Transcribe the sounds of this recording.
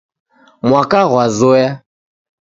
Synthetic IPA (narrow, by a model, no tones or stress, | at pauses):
mwakaɣwazɔja